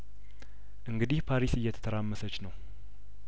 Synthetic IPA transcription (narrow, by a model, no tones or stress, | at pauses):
ʔɨŋɡɨd̪ihpʰaɾisɨjːɛt̪ʰə̥t̪ʰəɾamːəsət͡ʃːnəw